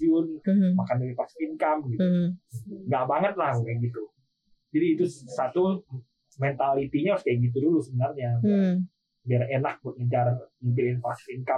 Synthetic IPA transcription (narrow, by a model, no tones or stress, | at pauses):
iʊnmakandaɾipaksinkamɡitu | ŋɡaʔbaŋət̪̚lahɡukanɡit̪u | d͡ʒadiːt̪usat̪u | mɛnt̪alit̪iɲaskajaɡit̪̬udulusəbənarɲa | biarenak̚bʊt̚əɲt͡ʃarimpilɪnfasfinka